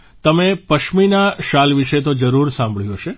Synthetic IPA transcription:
t̪əmepəʃminaʃalʋiʃet̪od͡ʒəɾuɾsãmbʱɭjũɦʃe

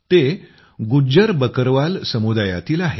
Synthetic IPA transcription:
t̪e | ɡud͡ʑəɾbəkəɾʋalsəmud̪aja̰t̪iːlaɦe

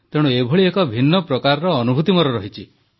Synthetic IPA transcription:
t̪eɽ̃uebʱoɭiekɔbʱinːɔpɾɔkaɾɔɾɔːnubʱut̪imɔɾɔɾɔɦit͡ʃʰi

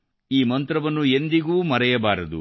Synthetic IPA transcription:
iːmɐnt̪ɾɐʋɐnːue̞nd̪iɡuːmɐɾɐjɐbaːɾɐd̪ṵ

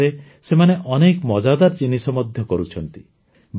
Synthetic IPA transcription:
ɾe | semaneʔɔnekmɔd͡ʒad̪aɾd͡ʒinisɔmɔd̪ʱjɔkɔɾut͡ʃʰɔnt̪i | b

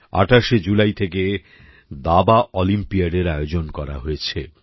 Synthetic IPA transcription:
a̰ʈʰaʃed͡ʑulajt̪ʰeke | d̪abaʔɔlimpiaɖeɾajod͡ʑonkɔɾa̰ɦojet͡ɕʰe

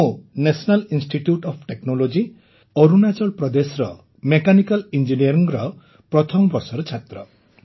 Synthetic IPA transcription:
onesɔnalinsʈiʈjuʈɔpʰʈeknolod͡ʒi | ɔɾunat͡ʃɔɭpɾɔd̪esɾɔ | mekanikalind͡ʒiniɔɾiŋɾɔ | pɾɔt̪ʰɔmɔbɔɾsɔɾɔt͡ʃʰat̪ɾɔ

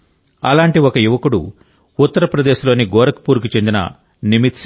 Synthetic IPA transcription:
ɐ̰laːɳʈiɔkɐjuʋɐkuɽṵ | ut̪ːɐɾɐpɾɐd̪eːʃlo̞ːniɡɔːɾɐkɐ̥puːɾukut͡ʃe̞nd̪inɐ̰ | nimit̪s

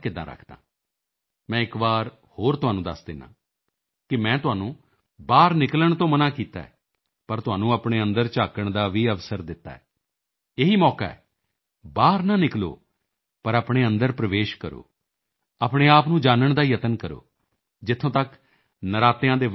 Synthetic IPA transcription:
kɪd̪ã̰ːɾə̰kʰd̪ã̰ː | mɛ̃ːɪkbaːɾ | hoːɾt̪ʊɦaːnũːd̪əsd̪ɪnã̰ː | kɪmɛ̃ːt̪ʊɦaːnũː | baːɾnɪkləɳt̪õːmənãːkiːt̪a̰ːɛ̰ː | pəɾt̪ʊɦaːnũːəpɳ̃eːə̃nd̪əɾt͡ʃaːkəɳd̪aːʋiːəʋsəɾd̪ɪt̪ːa̰ːɛː | ɪɦiːmɔːka̰ːɛ̰ː | baːɾnãːnɪklo̰ː | pəɾapɳ̃eːənd̪əɾpɾəʋeːʃkəɾo̰ː | aːpɽeːaːpnũːd͡ʒaːnəɳd̪aːjət̪ənkəɾo̰ː | d͡ʒɪt̪ʰːõːt̪ək | nəɾaːt̪ejãːd̪eː

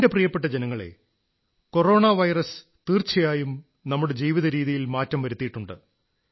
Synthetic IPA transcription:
deprijɐpːe̞ʈ̬ːɐd͡ʑenɐŋːɐɭe̞̰ | ko̞ro̞ːɳaʋɐjrɐs | t̪iːrt͡ɕɐjaːjum | nɐmːuɽe̞d͡ʑiːʋiðɐɾiːðijilmaːtːɐmʋɐɾut̪ːijiʈːuɳɖɨ̰

